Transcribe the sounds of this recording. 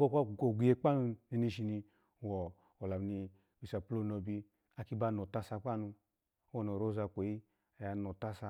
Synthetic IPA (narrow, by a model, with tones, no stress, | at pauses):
ko˦˨kʷa˦˨ko˨ɡʷi˨je˧k͡pa˦nu˧ni˧ni˧ʃi˧˨ni˧˨ | wɔ˨ | o˨la˨m˨ni˧ | wi˨sa˨plo˧no˧bi˧ | a˧ki˧ba˧˨no˨ta˧sa˧k͡pa˦nu˧˦ | wɔ˨no˨ɾo˦za˧kʷe˨i˦ | a˨ja˨˧no˨ta˧sa˧